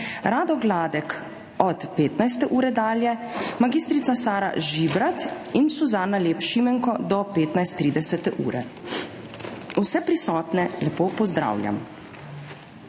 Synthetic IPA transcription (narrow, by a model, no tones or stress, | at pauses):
ɾaːd̪ɔɡlaːd̪ɛk | ɔt̪peːt̪najst̪ɛʔuːɾɛd̪aːljɛmaɡiːst̪ɾit̪sasaːɾa̰ʒibɾat̪ | insuzaːnaleːpʃimɛŋkɔd̪ɔpeːt̪najst̪ːɾiːd̪ɛsɛt̪ɛʔṵːɾɛ̰ | usɛpɾisɔːt̪nɛlɛpoːpɔzd̪ɾa̰ːwlʲja̰m